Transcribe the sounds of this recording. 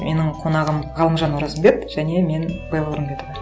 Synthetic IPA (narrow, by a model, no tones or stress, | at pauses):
me̞nɪɴqʰo̞nɑʁəmʁɑlˠəmʒɑnwoɾɑzəmbe̞k̪ʒ̥æne̞me̞nbɑjlˠɾəmkʲet̪əʁo